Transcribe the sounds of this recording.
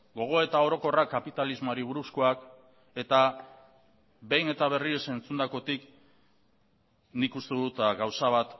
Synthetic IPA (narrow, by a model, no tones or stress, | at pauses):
ɡo̞ɣ̞o̞e̞t̪ao̞ɾo̞ko̞rakapit̪alizmoaɾiβ̞uɾusko̞ak | e̞t̪a | βe̞jne̞t̪aβ̞e̞riese̞nt͡sund̪ako̞t̪ik | nikust̪eðut̪aɡawsaβ̞at̪